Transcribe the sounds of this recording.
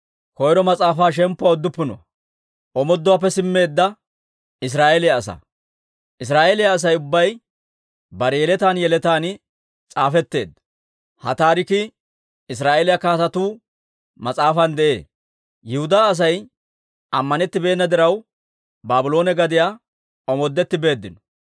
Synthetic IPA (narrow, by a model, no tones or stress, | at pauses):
kɔjɾɔmɐt͡sʼaːfaːʃ̬ɛmpːʊaɔd̪ːʊpːɪnɔ̰ | ʔɔmɔd̪ːʊwaːpːɛsɪmːe̞ːd̪ːɐ | ɪs̬ɾaːʔelɪjɐːsɐ̰ | ʔɪs̬ɾaːʔelɪjaːs̬ɐjʊbːɐj | bɐɾɛjɛlɛt̪aːnjɛlɛt̪aːnɪ | t͡sʼaːfɛt̪ːe̞ːd̪ | hɐ̰t̪aːɾɪkɪ | ɪs̬ɾaːeːlɪjɐkaːt̪ɐt̪uː | mɐt͡sʼaːfɐnd̪ɛʔe̞̰ː | jɪhʊd̪aːs̬ɐj | ʔɐmːɐnɛt̪ːɪbe̞ːnːɐd̪ɪɾɐw | baːbʊlo̞ːnɛɡɐd̪ɪjaː | ɔmɔd̪ːɛt̪ːɪbe̞ːd̪ːɪnɔ̥